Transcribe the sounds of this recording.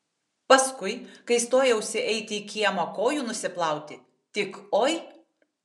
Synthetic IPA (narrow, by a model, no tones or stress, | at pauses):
pɐskʊɪkɐɪst̪oːjɛʊsʲɪʔɛɪt̪ʲɪːkʲiɛmokoːjuːnʊsʲɪplˠɑˑʊt̪ʲɪ | t̪ʲɪkoːj